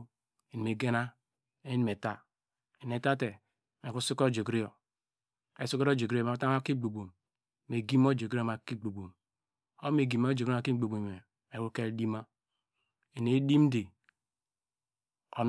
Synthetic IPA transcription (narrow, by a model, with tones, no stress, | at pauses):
i˨n˨me˨ɡe˦na˦ | e˦i˦n˦me˨ta˦ | i˨ne˨ta˦te˨ | me˨ku˦su˦ko˦d͡ʒo˨ɡɾi˦jo˨ | e˨su˦ko˦o˦d͡ʒo˨ɡɾo˨ma˨˦ta˦a˦ki˦ɡ͡bo˨bo˨m˦ | me˨ɡi˦m˦o˦d͡ʒo˨ɡo˦˨ma˨ki˦ɡ͡bo˨bo˨m | o˦me˨ɡi˨mo˦d͡ʒo˨ka˨ki˦ɡ͡bo˨bo˨e˨ | e˨wu˦ke˦ldi˦ma˦ | i˨ne˨˦di˦m˦de˨ | o˨n